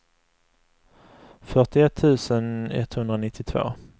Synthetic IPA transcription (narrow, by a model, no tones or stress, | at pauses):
fœʈɪɛt̪ʰːʉ̟ːsənɛ̰t̪ːhɵnd̪ɾanɪt̪ʰːɪt̪ʰvo̰ː